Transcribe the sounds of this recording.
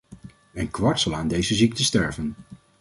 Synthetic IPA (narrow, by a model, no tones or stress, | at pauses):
ɛnkʋɑɹtsɑlˠaːndejzəzik̚təstɛɹvən